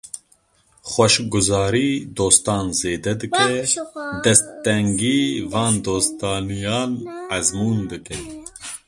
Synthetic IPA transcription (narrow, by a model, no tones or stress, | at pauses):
xʷɔʃɡʊzɑːɾiːd̪oːst̪ɑːnzeːd̪ɛd̪ɨkɛd̪ɛst̪ːɛŋɡiːvɑːnd̪oːst̪ɑːnijɑːnɛzmuːnd̪ɨkɛ